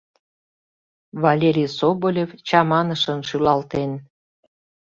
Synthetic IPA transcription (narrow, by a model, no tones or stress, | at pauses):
βɑlʲeɾʲijsobolʲevt͡ɕɑmɑnəʃənʃylɑlt̪en